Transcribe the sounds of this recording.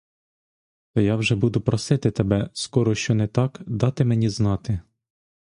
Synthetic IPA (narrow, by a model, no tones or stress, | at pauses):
t̪ɔjɑwʒɛbud̪ʊpɾɔsɪt̪ɪt̪ebɛskɔɾɔʃt͡ʃɔnɛt̪ɑkd̪ɑt̪ɪmenʲiznɑt̪ɪ